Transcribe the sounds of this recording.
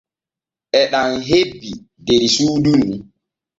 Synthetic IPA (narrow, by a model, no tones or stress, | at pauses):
ʔɛɗaŋɦebːi | deɾisuːdunːi